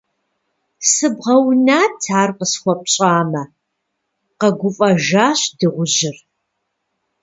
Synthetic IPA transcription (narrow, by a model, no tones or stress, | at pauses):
sɨbʁɐwnaːtʰaːrqəsxʷɔp̚ɕʼaːmɐ | qɐɡʷʊfʼɐʒaːɕdɨʁʷʊʑɪr